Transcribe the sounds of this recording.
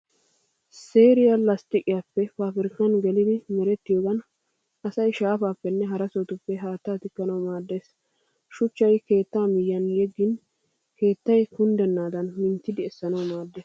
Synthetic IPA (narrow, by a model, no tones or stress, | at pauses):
seːɾɪjɐlɐst̪ɪkʼɪjaːpːɛpaːfɪɾɪkːɐnɡɛlɪd̪ɪmɛɾɛt̪ːɪjoːɡɐn | ɐsɐjʃaːfaːpːɛnːɛɦɐɾɐsot̪ʊpːɛɦaːt̪ːaːt̪ɪkːɐnɐwmaːd̪ːe̞ːs | ʃʊt͡ʃːɐjke̞ːt̪ːaːmɪjːɐnjɛɡːɪn | ke̞ːt̪ːɐjkʊnd̪ɛnːaːd̪ɐnmɪnt̪ːɪd̪ɪɛsːɐnɐwmaːd̪ːeːs